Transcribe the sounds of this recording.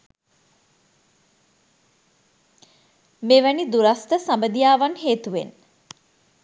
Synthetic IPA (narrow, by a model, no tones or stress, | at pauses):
meːʋænid̪uɾast̪əsambəd̪ijaːʋanɦeːt̪uʋḛn